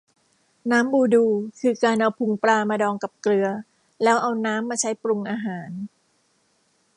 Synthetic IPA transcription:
naː˦˥mbuː˧duː˧kʰɯː˧kaː˧nʔa˧wpʰu˧ŋpɾaː˧maː˧dɔː˧ŋka˨˩p̚klɯ˧ɐ | lɛː˦˥wʔa˧wnaː˦˥mːaː˧t͡ɕʰa˦˥jpɾu˧ŋʔaː˧ɦaː˩˦n

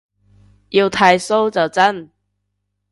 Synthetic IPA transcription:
ji˧wt̪ʰa˧jso˥wt͡sɐ˨˩wt͡sɐ˥˩n

